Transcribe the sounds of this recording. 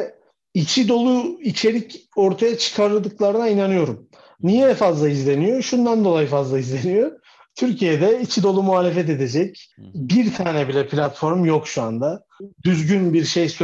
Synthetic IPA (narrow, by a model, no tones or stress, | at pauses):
ɛ | it͡ʃʰid̪o̞lˠuit͡ʃʰe̞ɾico̞ɾt̪ʰajat͡ʃʰɯ̥kʰaɾɯlˠd̪ɯklˠaɾɯnainanɯjo̞ɾum | nijɛfazlˠaizlʲe̞nijo̞ʃund̪and̪o̞lˠajɯfazlˠaizlʲe̞nijo | t̪ʰyɾcʰijed̪ɛit͡ʃʰid̪o̞lˠumuɦaːlʲe̞fɛt̪̬e̞d̪e̞d͡ʒɛcbiɾt̪ʰaːnɛbilʲɛpʰlʲat̪fo̞ɾmjo̞kʃuand̪a | d̪yzɟynbiɾʃejs